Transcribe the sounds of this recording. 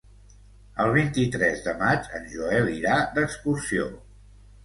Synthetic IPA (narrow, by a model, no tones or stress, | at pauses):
əlˠβ̞int̪it̪ɾɛzðəmad͡ʒə̰nʲʒuɛliɾad̪əkskursio̰